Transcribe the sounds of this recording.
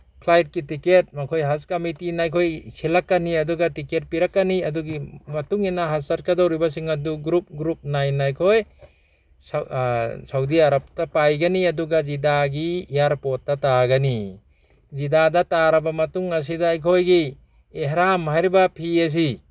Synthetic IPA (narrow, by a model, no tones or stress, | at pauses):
kʰlajt̚kitiket̚makʰojɦaskɐmitinajkʰojsilakːaniɐduɡatiket̚piɾakːaniɐduɡimɐtuŋinaɦazaɾ̚kadawɾibas̬iŋaduɡɾup̚ɡɾup̚najnajkʰoj | s | sawdiaɾap̚tapajɡaniɐduɡazidaɡijaɾpot̚ːdataɡani | zidadataɾɐbamɐtuŋɐs̬idaːjkʰojɡi | eɦɾamhajɾibapʰias̬i